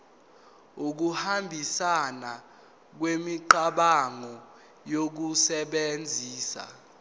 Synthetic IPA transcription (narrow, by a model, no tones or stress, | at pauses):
uk̬uhambʱisana | k̬wemiǃaɓaŋɔ | jok̬usɛɓend͡zʱiːsa̰